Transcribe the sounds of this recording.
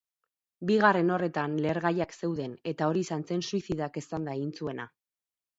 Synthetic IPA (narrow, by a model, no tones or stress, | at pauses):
biɣare̞no̞re̞t̪anle̞ːɾɣajakse̞wðe̞ne̞t̪ao̞ɾiːsanse̞nsuisiðake̞sand̪aeɣint͡sue̞na̰